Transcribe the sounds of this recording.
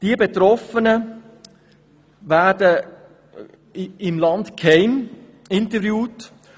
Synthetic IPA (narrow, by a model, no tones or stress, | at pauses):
d̥ibet̪ɾɔfənə | vædə | ɪmlɑndkʰhɛɪm | ɪntəvjuːt